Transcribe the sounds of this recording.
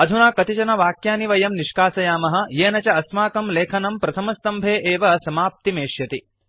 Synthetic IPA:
ɐd̪ʱunaːkɐt̪it͡ʃɐnɐʋaːkjaːniʋɐjɐmniʃkaːsɐjaːmɐɦɐ̆jeːnɐt͡ʃɐɐsmaːkɐmleːkʰɐnɐmpɾɐt̪ʰɐmɐst̪ɐmbʱeːʔeːʋɐsɐmaːp̚t̪imeːʃjɐt̪i

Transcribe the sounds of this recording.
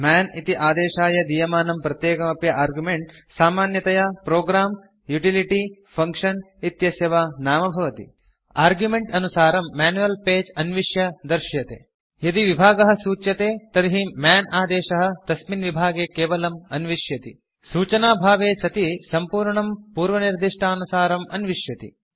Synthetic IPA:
maːnit̪iʔaːd̪eːʃaːjɐd̪ijɐmaːnɐmpɾɐt̪jeːkɐmɐpjɐʔaːɾɡjumeɳʈsaːmaːnjɐt̪ɐjɐpɾoːɡɾaːm | juʈiliʈipʰɐŋkʂɐn | it̪jɐsjɐʋanaːmɐbʱɐʋɐt̪ḭ | aːɾɡjumeɳʈɐnusaːɾɐmːaːnuʋɐlpeːd͡ʒɐnʋiʃjɐd̪ɐɾʃjɐt̪ḛː | jɐd̪iʋibʱaːɡɐɦɐ̆suːt͡ʃjɐt̪eːt̪ɐɾiɦimjaːnaːd̪eːʃɐɦɐ̆t̪ɐsminʋibʱaːɡeːkeːʋɐlɐmɐnʋiʂjɐt̪ḭ | suːt͡ʃɐnaːbʱaːʋeːsɐt̪isɐmpuːɾɳɐmpuːɾʋɐniɾd̪iʂʈʰaɐnusaːɾɐmʔɐnʋiʂjɐt̪ḭ

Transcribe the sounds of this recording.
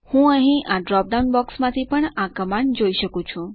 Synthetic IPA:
hũəɦĩʔaɖɾɔp̚ɖaunbɔksmãt̪ʰipəɳakəmand͡ʒoiʃəkũt͡ʃʰũ

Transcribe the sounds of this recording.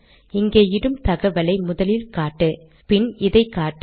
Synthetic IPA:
ɪŋɡeːjɪɽɯmt̪ɐɣɐʋɐlɐɪmʊðɐlɪlkaːʈːɯ | pɪnɪðɐɪkːaːʈː

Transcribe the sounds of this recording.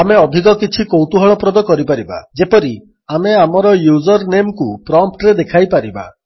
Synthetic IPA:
ameɔd̪ʱikɔkit͡ʃʰikowt̪uɦɔɭɔpɾɔd̪ɔkɔɾipaɾiba̰d͡ʒepɔɾi | ameamɔɾɔjud͡ʒɔɾnemkupɾɔmp̚ʈɾed̪ekʰajpaɾiba̰

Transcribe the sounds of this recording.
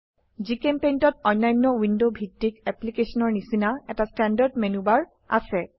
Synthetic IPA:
zikempejntɔt̚ɔj̃nːajnːɔwindobʱitːikɛplikesɔnɔɹnisinaɛtastɛndadmenubaɹ | a̰sɛ

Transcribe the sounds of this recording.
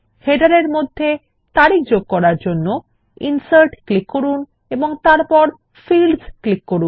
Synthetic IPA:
heɖaɾeɾmod̪ʱːe | t̪aɾik̚ʰd͡ʑoɡ̚kɔɾaɾd͡ʑonːo | ḭnsaɾʈklikːoɾun | eboŋt̪aɾpɔɾ | filsklikːoɾun

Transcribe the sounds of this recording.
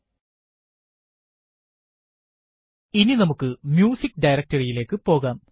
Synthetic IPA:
ininɐmukːɨmjuːsikːɖɐjɾɐk̚tɐrijile̞ːkːɨpo̞ːɣaːm

